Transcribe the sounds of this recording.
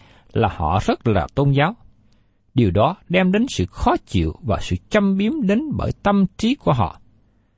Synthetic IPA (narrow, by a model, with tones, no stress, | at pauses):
laː˨˩hɔ̰˧˨z̥ə˦˥t̚laː˨˩t̪o˧nzaː˨˦w | ɗi˨˩əwɗɔ˨˦ɗɛ˧mɗe˨˦nsɨ̰˧˨xɔ˨˦t͡ɕḭ˧˨əwvaː˨˩sɨ̰˧˨t͡ɕə˧mɓi˨˦əmɗe˨˦nɓəː˧˩jt̪ə˧mt͡ɕi˨˦ku˧˩əɦɔ̰˧˨